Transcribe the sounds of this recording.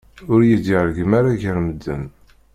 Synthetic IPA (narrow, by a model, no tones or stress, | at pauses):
ʊɾjid̪iʁɾɡəmaɾaʝəɾməd̪ːə̰m